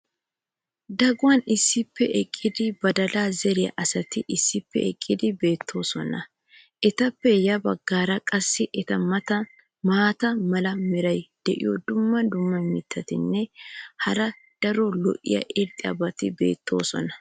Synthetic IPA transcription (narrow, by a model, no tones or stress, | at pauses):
d̪ɐɡʊwɐnɪsːɪpːɛʔɛkʼːɪd̪ɪbɐd̪ɐlaːzɛɾɪjɐ̰ʔɐsɐt̪ɪʔɪsːɪpːɛ̰ʔɛkʼːɪd̪ɪbe̞ːt̪ʰːo̞ːsɔnɐ | ʔɛt̪ɐpːɛjɐbɐɡːaːɾɐkʼɐsːɪʔɛt̪ɐmɐt̪ɐ | maːt̪ɐmɐlɐmɪɾɐjd̪̥ɛʔɪ̰jɔd̪ʊmːɐd̪ʊmːɐmɪt̪ʰːɐt̪ɪnːɛhɐɾɐ | d̪̥ɐɾɔlɔ̰ʔɪ̰jɐ̰ʔɪɾt̪ʼɪɐ̰bɐt̪ɪbe̞̰ːt̪ʰːo̞̰ːsɔ̰nɐ